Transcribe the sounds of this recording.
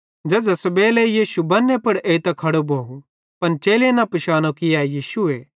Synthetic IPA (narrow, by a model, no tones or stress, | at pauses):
d͡ʒɛːd͡ʒɐsbɛːlejiːʃubɐnːepɐɽʔeːit̪ɐkʰɐɽobʱoːu | pɐnt͡ʃeːlenɐpɪʃaːnokɪjaːjiːsue